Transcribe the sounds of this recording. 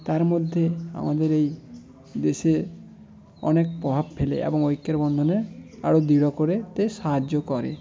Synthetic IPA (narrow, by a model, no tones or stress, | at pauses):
t̪aɾmod̪ʱːea̰mad̪eɾej | d̪ese | ɔ̰nekpɾɔbʱab̚pʰelḛʔḛbɔŋojkːeɾbɔnd̪ʱɔnea̰ɽod̪iɽɔkoɾet̪esaɦad͡ʒokɔɾḛ